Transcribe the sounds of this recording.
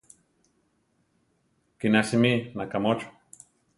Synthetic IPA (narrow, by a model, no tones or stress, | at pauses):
kinasiminakamot͡ʃo̥